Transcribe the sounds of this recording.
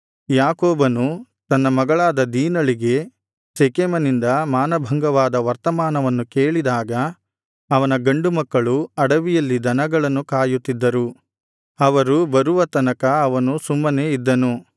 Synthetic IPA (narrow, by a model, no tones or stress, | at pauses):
jaːkoːbɐnu | t̪ɐnːɐmɐɡɐɭaːd̪ɐd̪iːnɐɭiɡe̞ | sekemɐnind̪ɐmaːnɐbʱɐŋɡɐʋaːd̪ɐʋɐɾt̪ɐmaːnɐʋɐnːukeːɭid̪aːɡɐ | ɐʋɐnɐɡɐɳɖumɐkːɐɭuɐɽɐʋijɐlːid̪ʱɐnɐɡɐɭɐnːukaːjut̪ːid̪ːɐɾu | ɐʋɐɾubɐɾuʋɐt̪ɐnɐkɐɐʋɐnusumːɐne̞ːid̪ːɐnu